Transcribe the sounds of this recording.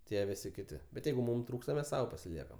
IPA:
tʲiɛ ˈʋʲɪsʲɪ ˈkʲɪtʲɪ bʲɛt ˈjɛɪɡʊ ˈmʊm ˈtruːkstɐ mʲɛs ˈsɐʊ pɐsʲɪˈlʲiɛkɐm

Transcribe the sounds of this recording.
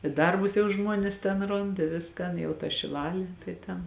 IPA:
ɪ ˈdɐrbʊs jɛʊ ˈʒmuɔnʲeːs tʲɛn ˈroːnt ɪ ˈʋʲɪskɐn jɛʊ tɐ ʃʲɪˈlˠɑːlʲeː tɐɪ ˈtʲɛn

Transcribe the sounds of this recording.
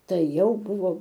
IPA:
ˈtɐɪ ˈjɛʊ ˈbʊʋoː

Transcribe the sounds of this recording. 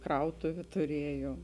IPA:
ˈkrɐʊtʊʋʲʊ tʊˈrʲiɛjuɔm

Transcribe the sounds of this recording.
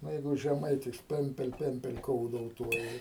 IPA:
ˈnʊ ˈjɛɪɡʊ ʒʲɛˈmɐɪtʲɪs ˈpʲɛmʲpʲɛlˠ ˈpʲɛmʲpʲɛlˠ ˈkoːʊdoːʊˌtuɔjɪ

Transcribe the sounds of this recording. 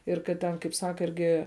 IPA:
ɪr kɐt ˈtʲɛn kɐɪp ˈsɑːkɐ ˈɪrʲɡʲɪ

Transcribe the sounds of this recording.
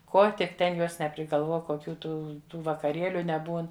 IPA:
ˈkoː tʲɪk ˈtʲɛn ˈjuɔs nʲɛpʲrʲɪɡɐlˠˈʋuɔ koːˈkʲuː ˈtuː ʋɐkɐˈrʲeːlʲʊ nʲɛˈbuːn

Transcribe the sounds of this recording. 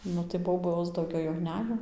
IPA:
ˈnʊ tɐɪ ˈboːboːs dɐʊˈɡʲɛʊ jɛʊ ˈnʲæːjoː

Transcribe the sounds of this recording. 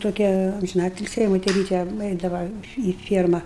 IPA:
ˈtoːkʲɛ ɐmʲʒʲɪˈnɑːtʲɪlʲsʲiː jɛɪ moːtʲɛˈrʲiːtʲɛ ˈɛɪdɐʋɐ iː ˈfʲiɛrmɐ

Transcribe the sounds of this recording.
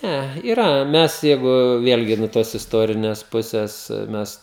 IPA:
ˈnʲæ iːˈrɐ ˈmʲɛs ˈjɛɪɡʊ ˈʋʲeːlʲɡʲɪ nuɔ ˈtoːs ɪsˈtoːrʲɪnʲɛs ˈpʊsʲɛs ˈmʲɛs

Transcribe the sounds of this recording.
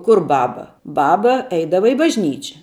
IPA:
ˈkʊr ˈbɑːbɐ ˈbɑːbɐ ˈɛɪdɐʋɐ ɪ bɐʒʲˈnʲiːt͡ʃʲɛ

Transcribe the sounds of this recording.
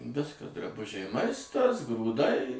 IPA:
ˈʋʲɪskɐ drɐˈbʊʒʲɛɪ ˈmɐɪstɐs ɡruːˈdɐɪ

